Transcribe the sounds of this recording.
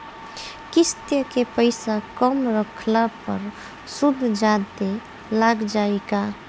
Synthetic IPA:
kɪst̪jəkepəɪsakəmɾəkʰlapəɾ | sud̪ʱd͡ʒad̪e | laɡd͡ʒaeka

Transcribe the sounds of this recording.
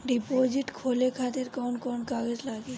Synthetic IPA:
ɖipod͡ʒiʈkʰolekʰat̪eɾkɔwnkɔnkaɡed͡ʒlaɡe

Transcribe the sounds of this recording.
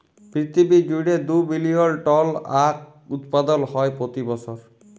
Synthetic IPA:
pɹit̪ʰibid͡ʒuɽed̪ubilijɔlʈɔlak̚ | ut̪pad̪ɔnhɔjpɹot̪ibɔsʰɔɹ

